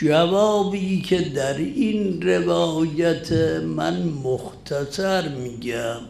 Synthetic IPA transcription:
d͡ʒævɒːbiːkʲʰe̞d̪æɾinre̞vɒːjæt̪ʰemæ̰nmoxt̪ʰæsæɾmiːɡæm

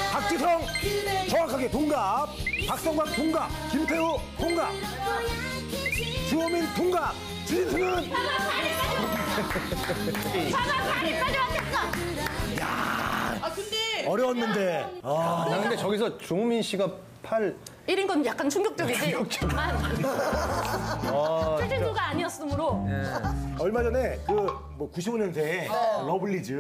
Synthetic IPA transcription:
pak̚t͡ɕ͈isʰʌŋt͡ɕʌŋwakʰaɡetoŋɡap̚pak̚s͈ʌŋɡwak̚t̪ʰoŋɡap̚kimpʰeotʰoŋɡap̚ | t͡ɕuʌmintoŋɡap̚ | t͡ɕiitʰɯnɯn | pad͡ʑaket͈a | ja̰ | kdeʌɾjʌwʌnːɯnde̞ | ɯɾakʰɯnde̞t͡ɕʌɡis̬ʰʌt͡ɕouminɕ͈ʰiɡa | pʰaɭ | iɾɯnɡʌnjak͈ant͡ɕʰuŋɡjʌk̚t͡ɕ͈ʌɡid͡ʑiɡjʌk̚t͡ɕ͈ʌɡa | ʌed͡ʑiŋuɡaːɲiʌs͈ɯmɯɾoeʌɭmad͡ʑʌne̞kɯ | mwʌkuɕʰiboɲʌnsʰelʌbɯɭːid͡ʑɯ

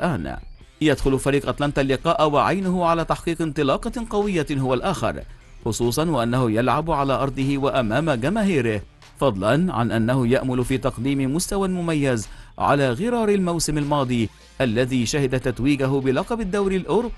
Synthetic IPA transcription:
ʔaːn | jad̪xʊlʊfaɾiːqʔɑt̪ˤlɑnt̪alːɪqɑːʔwaʕajnʊhʊʕalaːt̪aħqiːqɪnt̪ˤɨlɑːqɑqɑwɪjːaɦʊwalʔaːxɪ̰ɾˤ | xʊsˤuːsˤɑnwɪʔanːahʊjalʕabʕalaːʔɑɾˤd̪ˤɨhɪwaʔamaːmaɡamaːɦiːɾɪh | fɑd̪ˤlɑnʕa̰nʔanːahʊja̰ʔmʊlʊfiːt̪ɑqd̪iːmɪmʊst̪awamʊmajːazʕa̰laːɣɪɾˤɑːɾˤɪlmawsɪmalmɑːd̪ˤiː | ʔalːaðiːʃahɪd̪at̪at̪wiːɡaɦʊbɪlɑqɑbɪd̪ːawɾɪlʔʊɾb

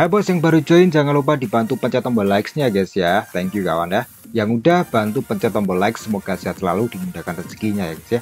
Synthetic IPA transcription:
ʔabɔt̪sjaŋbaɾud͡ʒoɪnd͡ʒaŋanlup̬adibant̪upəɲt͡ʃat̪ɔmbɔlaɪksɲaɡɛt̪sijat̪ɛŋkjuka̰wanjah | jaŋudahb̥ant̪upəɲt͡ʃat̪ɔmbɔlaɪksːəmoɡasiasəla̰lud̥imundakanrəsə̥ɡiɲajaɡɛsija

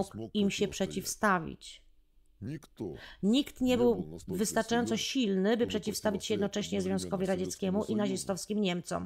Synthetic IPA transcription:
ukimɕɛpʂɛt͡ɕifst̪avʲḭt͡ɕ | ɲikt̪ɲɛbɘwvɘst̪aɾt͡ʂajɔnt̪sɔɕilnɘbɘpʂɛt͡ɕifst̪avʲit͡ɕɕɛjɛd̪nɔt͡ʂɛɕɲɛzvʲjɔ̃w̃skɔvʲiɾad͡ʑɛt̪skʲɛmuʔinaʑɛst̪ɔfskʲimɲɛmt̪sɔ̰m

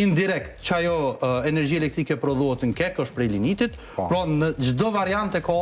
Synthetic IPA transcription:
ind̪iɾɛkt̪t͡ʃəajɔɛnɛɾd͡ʑiɛlɛk̚t̪ɾikɛpɾɔðuɦɛt̪ŋkɛkəʃt̪pɾɛlinit̪it̪ | pɾɔnəd͡ʒəd̪ɔvaɾiant̪ɛkɔ

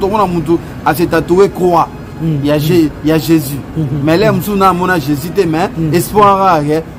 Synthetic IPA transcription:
tomunamũt̬u | as̬etatowekowa | jaʒejaʒezimɛlɛmusunamɔ̃naʒezitemɛespaɣaɣɛ

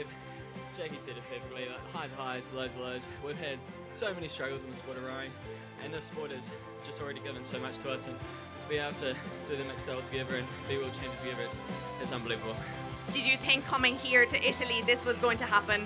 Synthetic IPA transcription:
v̥ | d͡ʒ̥ɛɪkisɛɾəpʰɜˑfɪk̚tˡliðəʔhaɪzhaɪzloʊzloʊzwiv̥əd̥ | soʊmɛnistɹ̥ʌɡl̩ˠzɪ̃nðəspɔɹɾəɹãɪ̃n | ʔɨ̰̃nðəspɔɹɾəz̥ | d͡ʒ̥ʌstl̩ˠɹɛɾiɡɪvə̃nsoʊmʌt͡ʃtʰəʌsə̃n | tʰəbieɪbl̩ˠtʰəd̥əðɨnɛksd̥ɛbl̩ˠtʰəɡɛðə˞ɨ̃n | biwɛlˠt͡ʃʰẽɪ̃md͡ʒəztʰɨɡɛðə˞ɨts | ɨzʌ̃nbəlivəbl̩ˠ | d̥ɪd͡ʒɨθɪ̃ŋkʰːʌmɪ̃ŋhiɹtʰɨʔɪɾəl̩iðɪswɒzɡoʊɪ̃ŋtʰəɦapə̃n

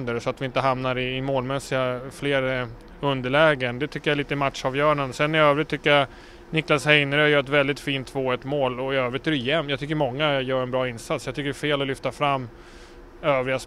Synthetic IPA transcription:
nd̪əɾʂɔat̪vɪɪnt̪əɦamnaɾɪːmoːlmɛsːɪɡafleːɾ | ɵnd̪əɭɛːɡənd̪ɛt̪ʰʏkːəɾjaɛɭiːt̪əɪmat̪ʂɑːvjœːɳənsɛnːɪøːvɾɪt̪ʰːʏkːəja | nɪklashɛjnəɾjœːɾɛt̪vɛld̪ɪt̪fiːnt̪voːɛt̪moːlɔɪøːvɾɪt̪ːɛɾjɛmːjɑɡt̪ʰʏkːəɾmɔŋːajœːɾɛnbɾɑːɪnsat̪sjɑɡt̪ʰʏkːəɾfeːlɔlʏft̪afɾamː | øːvɾɪas

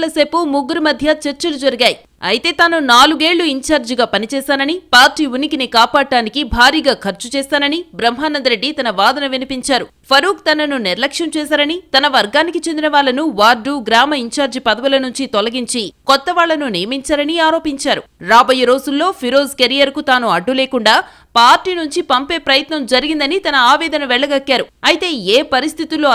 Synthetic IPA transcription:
lɐse̞ːpumuɡuɾimɐd̪ʱjɐt͡ʃeɾt͡ʃɐlud͡ʒɐɾiɡaːji | ɐ̰jt̪e̞ːt̪aːnunaːluɡe̞ːɭːuiɲt͡ʃaːɾd͡ʒiɡaːpɐnit͡ʃɛːsaːnɐnipaːɾʈiːʋunikinikaːpaːʈːaːnikibʱaːɾiːɡaːkʰɐɾt͡ʃut͡ʃɛːst̪aːnɐnibɾɐmɦaːnɐnd̪ɐɾe̞ɖːit̪ɐnɐʋaːd̪ɐnɐʋinipiɲt͡ʃaːɾu | pʰɐɾuːkt̪ɐnɐnuniɾlɐkʂjɐmt͡ʃɛːsaːɾɐnit̪ɐnɐʋɐɾɡaːnikit͡ʃend̪inɐʋaːɭːɐnuʋaːɾɖuːɡɾaːmɐiɲt͡ʃaːɾd͡ʒipɐd̪ɐʋulɐnuɲt͡ʃit̪ɔlɐɡiɲt͡ʃikɔt̪ːɐʋaːɭːɐnunijɐmiɲt͡ʃaːɾɐniaːɾo̞ːpiɲt͡ʃaːɾuɾaːbɐjɐɾo̞ːd͡ʒulːo̞ːpʰiɾo̞ːzkeɾijɐɾkut̪aːnuɐɖːuleːkuɳɖaː | paːɾʈiːnuɲt͡ʃipɐmpe̞ːpɾɐjɐt̪nɐmd͡ʒɐɾiɡind̪ɐnit̪ɐnɐaːʋɛːd̪ɐnɐʋɛɭːɐɡɐkːaːɾuɐjit̪e̞ːeːpɐɾist̪ʰit̪ulːoː

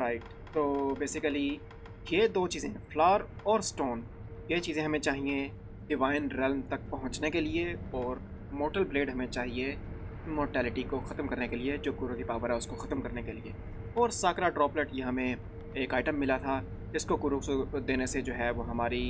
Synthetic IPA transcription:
ɾaːɪʈ | t̪oːbeːsɪkəli | jed̪oːt͡ʃiːzẽɦɛ̃flaːəɾɔːɾsʈoːn | jet͡ʃiːzẽɦɐmẽt͡ʃaːɦiẽ | ɖɪʋaːɪnɾɛlmt̪ɐk̚pɐɦʊ̃ɲt͡ʃnekelieɔːɾ | moːɾʈəlbleːɖɦɐmẽt͡ʃaːɦie | moːɾʈɛːlɪʈikoxɐt̪əmkɐɾnekelied͡ʒoːkʊɾokipaːʋəɾɦɛʊskoxɐt̪mkɐɾnekelie | ɔːɾsaːkɾaʈɾɔːplɛʈjɐɦãmẽ | eːkaːɪʈə̃mːɪlat̪ʰa | d͡ʒɪskokʊɾosd̪eːnesed͡ʒoːɦɛʋoɦɐmaːɾi

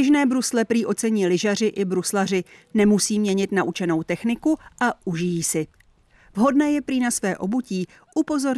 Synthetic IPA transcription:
ɪʒnɛːbɾuslɛpɾiːʔo̞t͡sɛɲiːlɪʒarɪʔɪbɾuslar̝ɪnɛmusiːmɲɛɲɪt̪naʔut͡ʃɛno̞wt̪ɛxnɪkuʔaʔuʒɪjiːsɪ | vɦo̞dnɛːjɛpɾiːnasvɛːʔo̞buciː | ʔupo̞zo̞ɾ

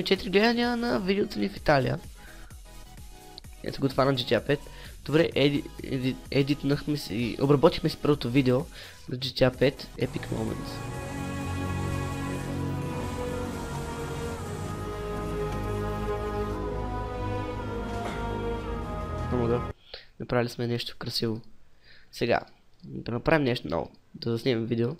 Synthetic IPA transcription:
mɛt͡ʃɛt̪ɾiɡlɛd̪əniənɐvid̪ɛot̪ənifit̪alḭjə̰ | ɛ̰səɡoːt̪vaɾəmd͡ʒit̪iapɛt̪ | d̪̥obɾɛʔ̪ | ɛd̪it̪nəxmɛsiʔo̰bɾɐbɔt̪ixmɛsi̥pəɾvot̪ovid̪ɛo | nɐd͡ʒit̪ʲiapɛt̪ɛ̰pikmo̰mɛ̰̃nt̪s | pomoɡ̪a | nɐpɾavilʲismɛnɛʃt̪o̥kɾɐsivo | sɛɡa̰d̪ɐnɐpɾavimnɛʃt̪onɔ̰vo̰d̪ɐzɐsnʲɛmɛmvid̪ɛo

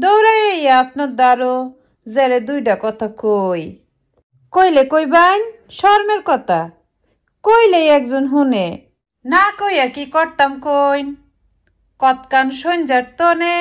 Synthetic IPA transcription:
d̪ɔwɾajejaapnɔɾd̪aɾo | zɛɾed̪ujʈakɔt̪ʰakoj | kojlekojban | ʃɔɾmeɾkɔt̪a | kojlejɛk̚zonɦune | nakojakikɔɾt̪amkojn | kɔt̪kanʃond͡ʑaɾt̪ɔne

